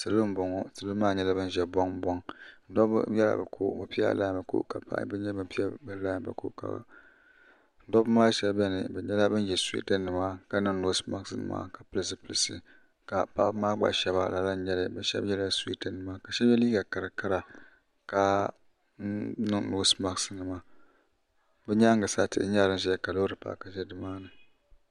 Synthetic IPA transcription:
sɨ˨lɨ˦m˦bɔ˨ŋɔ˦sɨ˨lɨ˦mːaː˦˨ɲɛ˦la˦bɨ˦n˦ʒɛ˦bɔ˦ŋbɔ˦ŋn̩˦dɔ˦bjɛ˦la̰˨ba̰˨kʰo̰˦˨bɨ˨pi˦a̰˦˨la̰ː˦˨mba˨ko̰˦ʔka̰˨pa̰˦ʔbɨ˦ɲɛ˦bɨ˨pi˦a˦bɨ˦laː˦˨mba̰˨ko̰˦ʔka̰˨ | n̩˦dɔ˦bmaː˦ʃɛ˦bbɛ˦nɨ˨bɛ˨ɲɛ˦la˦bɨ˦n˦ʒɛ˨sḭ˦tɨ˦nːɨ˨ma˦ka˨nɨ˦ŋno˦sma˦ksɨ˦nɨ̰˨ma̰ː˦ka˨pɨ˦lɨ˦s̬ɨ˦pɨ˨lɨ˨sɨ˨ | ka˨pa̰˦ʔmaː˦ɡ͡ba̰˨ʔʃɛ˦ba̰˦la˨la˦n˦ɲɛ˦lɨ˨bɛ˨ʃɛ̰˦bjɛ˦lsḭ˦tɨ˦nːɨ˨ma˦ka˨ʃɛ˦bɛ˦liː˦ɡa˨ka˨ɾa˨ka˦ɾa˨ | ka˨˦ | nɨ˦ŋno˨˦sma˦˨ksɨ˦nɨ˨ma˦ | bɛ˦ɲa˦ŋ˦ɡɨ˨sa˦tɨ̰˦ʔɲa˦lɨ˦n˦ʒɛ˦ka˨lo˦ɾɨ˨pa̰˦ʔka˨ʒɛ˦dɨ˨maː˦nɨ˨

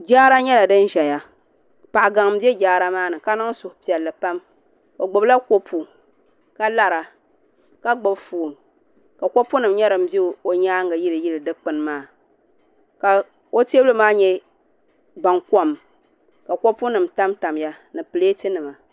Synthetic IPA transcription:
d͡ʒaː˦ɾa˦ɲɛ˦la˨dɨ˦n˦ʒɛ˨ja˨ | pa˨ʔa˨ɡa˨ŋ˨m̩˦bjɛ˦d͡ʒaː˦ɾa˦maː˦nɨ˨ka˦nɨ˦ŋ˦sʊ˨hʊ˨pi˨ɛ˨lːɨ˨pa˦m | ko˨ɡ͡bʊ˨bla˦ko˦pʰu˨ | ka˦la˦ɾa˨ | ka˦ɡ͡bʊ˦bfu˨m | ka˨kɔ˦pu˦nɨ˨m˦ɲɛ˦ɾɨ˨m̩˦be˦˨o˨ɲaː˦ŋɡa˨ji˦lɨ˨ji˦lɨ˨dɨ˦k͡pɨ˨n˦maː˦˨ | ka˨ | o˦te˦blɨ˦maː˦ɲɛ˦ | ba˨ŋkɔ˦m | ka˨kɔ˦pu˦nɨ˨mta˦mta˨m˦ja˦ | nɨ˨pɨ˨le˦tɨ˦nɨ˨ma˨

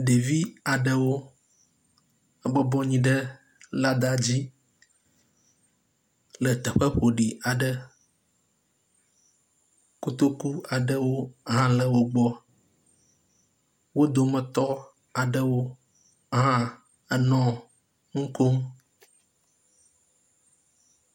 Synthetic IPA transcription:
ɖe˨vi˦a˨ɖə˦wo˦ | ɛ˦bɔ˦bɔ˦ɲĩ˦ɖə˦ | la˦d̪a˨d͡ʑi˦ | lə˨t̪ɛ˨ɸə˦ɸo˨ɖi˨a˨ɖə˦ | ko˦t̪o˦ku˦a˨ɖə˦wo˦ɦã˦lə˨wo˦ɡ͡bɔ˦ | wo˦d̪o˨mə̃˨t̪ɔ˦ | a˨ɖə˦wo˦ | ɦã˦ | ɛ˦nɔ̃˦ | ŋ̩˦ko˦m

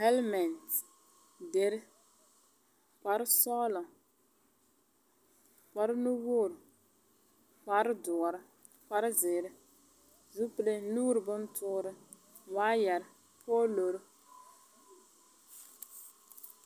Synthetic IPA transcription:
hɛ˦lmɛ˨nt | de˨ɾɪ˦ | k͡pa˨ɾɪ˦sɔː˦lɔ˨ŋ | k͡pa˨ɾɨ˦nu˦wo˦˨ɾ | k͡pa˨ɾɨ˦dʊ˨ɾɨ˦ | k͡pa˨ɾɪ˦zɪː˨ɾɪ˦ | zu˦ple˦nuː˦ɾɨ˨bʊ˦n˦tʰʊ˦ɾɨ˦ | waː˦ja˨ɾɪ˦ | pʰɔː˦lo˨ɾʊ˦

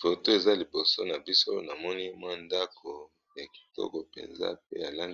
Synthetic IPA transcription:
fo˨to˦e˨za˦li˨bo˨so˦na˨bi˦so˦na˨mɔ˦ni˦mwa˦nda˦kʰo˨ | ja˨ki̥˨tɔ̰˦ko˨pḛ˨nza̰˦p̚e˦ja˨la˦n

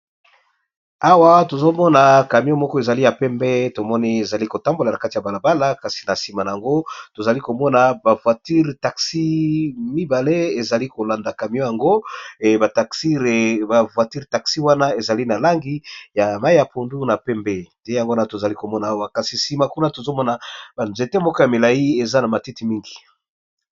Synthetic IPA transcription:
a˦wa˦to˨zo˦mɔ˦na˨ka˨mjo˦mɔ˦kɔ˦e˨za˨li˦ja˨pɛ˦mbɛ˦to˨mɔ˦ni˦e˨za˨li˦ko˨ta˦mbo˨la˨na˨ka˦ti˨ja˨ba˨la˨ba˦la˦ka˨si̥˨na˨si˨ma˨na˨a˨ŋɡo˦to˨za˨li˦ko˨mɔ˦na˨ba˨vwa˨ti˦ʁta˨ksi˦mi˦ba˨le˦e˨za˨li˦ko˨la˨nda˨ka˨m˦o˦ja˨ŋɡo˦ba˨ta˨ksi˦ba˨vwa˨ti˦ʁta˨ksi˦wa˦na˦e˨za˨li˦na˨la˦ŋɡi˦ja˨ma˦i˦ja˨pʰo˨ndu˦na˨pɛ˦mbe˦nde˦ja˨ŋɡo˦na˦to˨za˨li˦ko˨mɔ˦naː˨˦wa˦ka˨si˨si˨ma˨ku˦na˦to˨zo˦mɔ˦na˨ba˨nze˨tɛ˦mɔ˦kɔ˦ja˨me˨la˨i˦e˨za˦na˨ma˨ti˦ti˨mi˦ŋɡi˨

